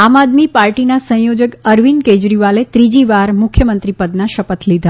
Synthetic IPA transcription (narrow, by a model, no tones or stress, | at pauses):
amad̪mipaɾʈinasə̃jod͡ʒəkəɾʋinked͡ʒɾiʋalet̪ɾid͡ʒiʋaɾmʊkʰjəmənt̪ɾipəd̪naʃəpət̪lid̪ʱa